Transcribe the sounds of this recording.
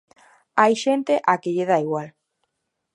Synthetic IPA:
ajʃent̪eʔakeʎeð̞aiɣwal

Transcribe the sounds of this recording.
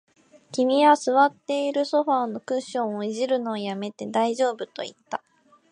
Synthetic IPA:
kʲimʲiβasɨβat̪ːe̞iɾɯ̟so̞ɸaːono̞kɯ̟̃ɕːõ̞ɰ̃oiʑiɾɯ̟no̞ːjame̞t̪e̞d̪aiʑo̞ːbɯ̟t̪o̞̰it̪ːa

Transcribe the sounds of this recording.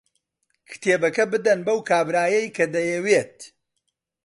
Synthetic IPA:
kʰɨ̥t̪ʰeːbɐkɐbɨd̪ɐnbɐwkʰaːbɾaːjɐjkʰɐd̪ɐjɛwet̪̚

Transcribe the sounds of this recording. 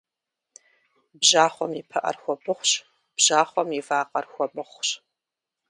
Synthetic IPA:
bʑaːχʷɔmipʰɐʔɐ̰rxʷɔbʰɨχʷɕ | b̥ʒaːχʷɔmivaːqɐrxʷɔbɨχʷɕ

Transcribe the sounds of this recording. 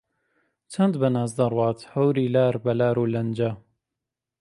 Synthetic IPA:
t͡ʃʰɐnd̪bɐnaːzd̪ɐrwɑːt̪hɐwɾiːlaːɾbɐlaːɾuːlɐnd͡ʒɐ

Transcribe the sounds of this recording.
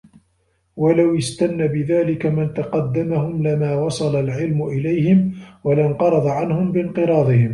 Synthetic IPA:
walawɪst̪anːabɪðaːlɪkamɪnt̪ɑqɑd̪ːamahʊmlɪmaːwɑsˤɑlalʕɪlmʊʔɪlajhɪmwalanqɑɾˤɑd̪ˤɑʕanhʊmbɪnqɨɾˤɑːd̪ˤɨhɪm

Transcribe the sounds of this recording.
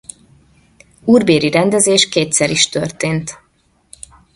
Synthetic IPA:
uːrbeːɾiɾɛnd̪ɛzeːʃkeːt̪sɛɾiʃt̪ørt̪eːnt̪

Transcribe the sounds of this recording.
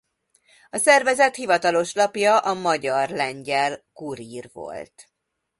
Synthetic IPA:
ɒsɛrvɛzɛt̪hivɒt̪ɒlo̞ʃlɒpjɒʔɒmɒɟɒrlɛɲɟɛlkuɾiːrvo̞̰lt̪

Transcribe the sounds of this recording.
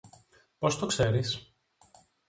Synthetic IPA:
po̞st̪okse̞ɾis

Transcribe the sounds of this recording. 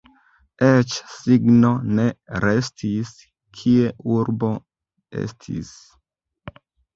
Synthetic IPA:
et͡ʃsiɡno̞ne̞ɾe̞stʰis | kʰie̞ʔuɾbo̞ | ḛstʰḭs

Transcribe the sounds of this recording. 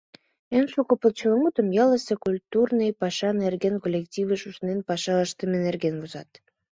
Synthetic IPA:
ensukopəlt͡ɕəlŋut̪ə̆mjɑləsekulʲt̪urnəjpɑʃɑnerɡenkolʲektʲivəʃuʃnenpɑʃɑəʃt̪əmenerɡenvuzɑt̪

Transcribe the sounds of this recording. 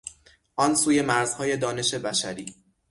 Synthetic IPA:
ʔɒnsuːje̞mæɾz̥hɒːje̞d̪ɒːne̞ʃe̞bæʃæɾiː

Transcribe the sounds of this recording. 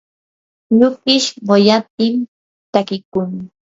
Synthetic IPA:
ʎʊkɪʃɢojat̪̚ɪm | t̪akɪkʊŋ

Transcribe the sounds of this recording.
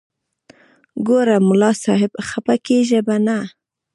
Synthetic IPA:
ɡoɾamʊlɑsɑɦɪbxapakeʒebana

